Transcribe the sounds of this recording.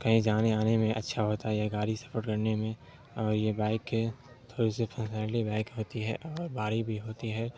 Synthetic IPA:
kɐɦĩd͡ʒaːneaːnemẽʔɐ̰tːʃʰaɦoːt̪aɦɛjaɡaːɾisɐ̥fəɾkɐɾnemẽ | ɔːɾjebaːɪke | t̪ʰoːɾisefʰə̃nsaːɳʈibaːɪkɦoːt̪iɦɛʔɔːɾbaːɾibʱiɦoːt̪iɦɛː

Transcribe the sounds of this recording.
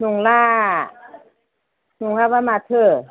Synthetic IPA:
nuŋlaː | nuŋlaːbamat̪ʰɯ

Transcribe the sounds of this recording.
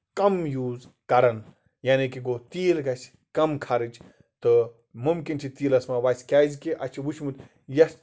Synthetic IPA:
kɐmjuːzkɐɾɐn | jaːnikiɡot̪iːlɡɐsʲ | kɐmkʰɐɾɨd͡ʒ | t̪ɨ | mumkint͡ʃʰit̪iːlɐsmaʋaːsʲkʲaːzʲkiʔɐt͡ʃʰiʋuʃʰmut̪ʲ | jɐs

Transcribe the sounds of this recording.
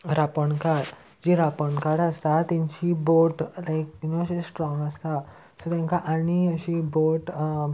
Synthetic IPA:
ɾapəɳkaɽ | d͡ʑiɾapəɳkaɽəst̪at̪ãɲt͡ɕiboʈlajk̚noəɕĩsʈɾɔ̃ŋɡəst̪a | sot̪jãŋkaʔaɽ̃iəɕiboʈ

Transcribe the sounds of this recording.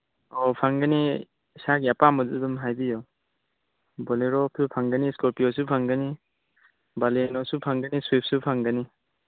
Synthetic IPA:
ɔpʰaŋɡəni | saɡiapamɔdudumɦajbijɔ | bɔleɾɔp̚supʰaŋɡəniskɔɾpijɔsupʰaŋɡəni | balenɔsupʰaŋɡəniswip̚supʰaŋɡəni

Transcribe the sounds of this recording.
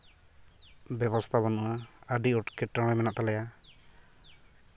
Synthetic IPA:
bɛβɔst̪ʰaβanuʔaəɖiɔʈkɛʈːɾɔɽɛmɛnaʔt̪alɛja

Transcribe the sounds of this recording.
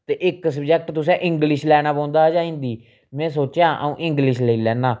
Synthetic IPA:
t̪eːʔɪksəbd͡ʒɛk̚ʈt̪ʊs̬ɛ̃ːʔɪ̃ŋɡlɪʃlɛːnaːpõːnd̪aːd͡ʒaːĩːnd̪iː | mɛ̃ːsoːt͡ʃjãːʔə̰ũːʔɪ̃ŋɡlɪʃləiːlɛːnaː

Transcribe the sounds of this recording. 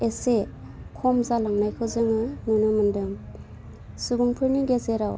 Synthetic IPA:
ese | kʰɔmzalaŋnajkʰɯzɯŋɯnunɯmɯndɯŋ | subuŋpʰɯɾniɡezeɾaw

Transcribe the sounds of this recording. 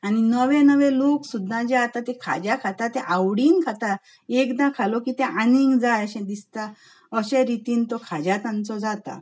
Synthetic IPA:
añinəʋẽnəʋẽloksud̪ʱːãd͡ʑeat̪at̪ɛ̃kʰa̰d͡ʑjakʰat̪at̪ɛ̃ʔawɽiːnkʰat̪a | ekd̪ãkʰalɔkit̪ɛ̃ʔaniŋɡd͡zajəɕɛ̃d̪ist̪a | əɕẽɾit̪iːnt̪ɔkʰad͡ʑat̪ãnt͡sɔd͡zat̪a̰

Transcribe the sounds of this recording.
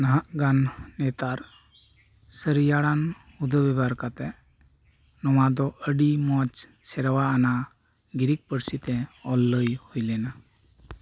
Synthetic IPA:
naɦaʔɡanːɛt̪aɾ | səɾijaɽan | ud̪ʱəbɛbaɾkat̪ɛ | nɔmad̪ɔʔəɖimɔt͡ʃsɛɾwaːna | ɡiɾik̚pəɾsit̪ɛɔlːəjhojlɛna

